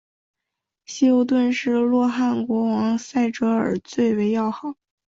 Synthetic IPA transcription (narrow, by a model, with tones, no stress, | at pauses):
ɕi˥o˧˥ʊt̪̬wə˥˧nʂɻ̩˥˧lwɔ˥˧xa˥˩nkwɔ˧˥wɑ˧˥ŋsa˥˩ɪʈ͡ʂɤ˧˥ə̰˞˨˩t͡swe˥˩ɪwe˧˥ɪjɑ˥˩ʊxɑ˨˩˦